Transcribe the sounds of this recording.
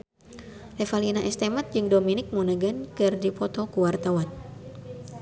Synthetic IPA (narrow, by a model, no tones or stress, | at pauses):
lɛfalinaʔɛst̪ɛmat̪̚d͡ʒɨŋdominɪk̚munəɡankɨrdipɔt̪ɔkuwart̪awan̚